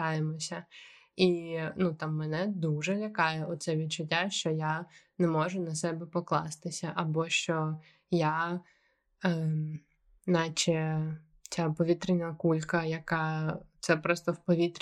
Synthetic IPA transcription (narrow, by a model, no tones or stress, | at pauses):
ɑjemɔsʲɐ | inut̪amːɛnɛd̪uʒɛlʲɐkɑjɛʔɔt̪t̪sɛʋʲid̪t͡ʃʊtʲːaʃt͡ʃɔjanɛmɔʒʊnɐsɛbɛpɔklˠɑ̰st̪ɪsʲɐʔɐbɔʃt͡ʃɔ | ja | nɑt͡ʃɛ | t͡sʲapɔʋʲit̪ɾɪnʲɐkulʲkɐjɐkɑt̪sɛpɾɔst̪ɔwpɔʋʲit̪ɾʲ